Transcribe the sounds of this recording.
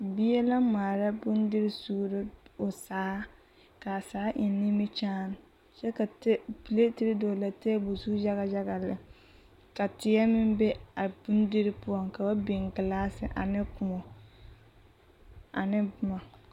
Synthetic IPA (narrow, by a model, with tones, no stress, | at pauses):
bi˦ɛ˦la˦maː˨ɾa˦bʊ˦ndɪ˦ɾɪ˦su˦ɾɪ˦ʊ˨saː˨˦ | ka˨saː˨˦ʔɪ˨˦nːɪ˦mɪ˦t͡ʃaː˦n˨ | t͡ʃɛ˦ka˨tɛ˦pi˨le˦ti˦ɾɪ˦do˨la˨tɛː˦bʊ˨su˦d͡ʒa˦ɣa˨d͡ʒa˦ɣa˨lɪ˨ | ka˨tɪ˨jɛ˦mɪ˦mbɛ˦a˨bu˦ndɪ˦ɾɪ˦pʊ˦ɔ˦˨ŋka˨ba˦bɪ˨ŋɡɪ˨laː˦sɪ̰˨ʔa̰˨nɪ˦kʊ˨mɔ˨ | a̰˨nɪ˦bʊ˦ma˨